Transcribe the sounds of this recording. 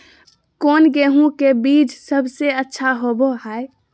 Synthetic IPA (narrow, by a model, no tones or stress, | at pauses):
koːnɡeːɦũkebiːd͡ʒsəbʱseətːʃʰaɦoboɦae